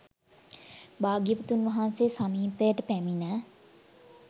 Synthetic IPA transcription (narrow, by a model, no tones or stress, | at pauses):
baːɡjipət̪unʋɐɦansesamiːt̪əjəʈəpæminə